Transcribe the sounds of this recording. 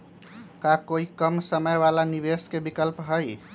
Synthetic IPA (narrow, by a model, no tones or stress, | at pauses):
kakoikəmsəməjbalanibeskebikəlpɦəj